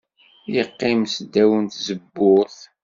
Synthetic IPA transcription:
jəqːɪmsd̪æwənt̪zəbːʊθ

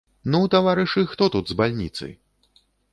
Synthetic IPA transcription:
nut̪avaɾɨʂɨxt̪ɔt̪ud̪zbalʲnʲḭt̪sɨ̰j

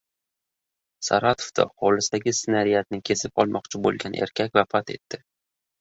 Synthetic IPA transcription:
sa̰ɾat̪ʰo̥fd̪a̰hɒlɪsd̪aɡʲɪsɪnaɾɪjat̪̚nɪkʲʰe̞sɪpɒlˠmɒqt͡ʃʰɪbo̰lˠɡʲanʔe̞̰ɾkʲʰak̚ʲvafat̪e̞̰t̪ːɪ

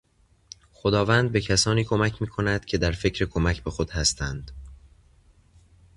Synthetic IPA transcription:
xod̪ɒːvænd̪̚be̞cʰæsɒːniːkʰo̞mæcʰmiːkʰo̞næd̪̥cʰe̞d̪æɾfe̞cʰɾekʰo̞mæcʰbe̞xod̪̥hæst̪ʰænd̪̥

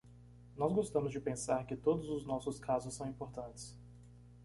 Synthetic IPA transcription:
nɔzɡost̪ɐ̃mʊzd͡ʒɪpẽsaɾkɪt̪od̪ʊzʊznɔsʊskʰazʊsːɐ̃w̃ĩmpoɾt̪ɐ̃t͡ʃɪ̥s

